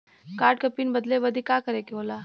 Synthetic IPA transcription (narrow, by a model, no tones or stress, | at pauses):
kaːɾʈ̚kɐpiːnbɐd̪lebɐd̪ikaːkɐɾeːkeɦoːlaː